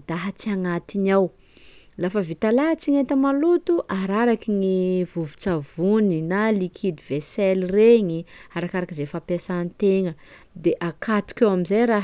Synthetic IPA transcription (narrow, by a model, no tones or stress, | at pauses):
d̪̥aɦət͡siaŋat̪inaw | lafəvit̪alaɦat͡siŋet̪əmalut̪uʔaɾaɾakiŋivuvu̥t͡savuninalikʰid̪ivesɛlireɲiaɾakaɾakizefapasanit̪eŋə | d̪eʔakʰat̪u̥kʲawamizajɾa